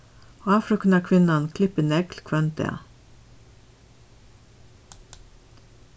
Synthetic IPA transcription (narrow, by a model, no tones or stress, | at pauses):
ɑːfɾɔknɑkʰʋɪnɑnkʰlɪpənɛɡlkʰʋœnt̪ɛ̰ɑ̰